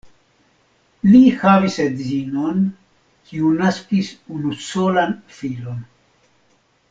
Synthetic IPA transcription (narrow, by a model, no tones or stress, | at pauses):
lihavisedzinon | kiunaskisunusolanfilo̞n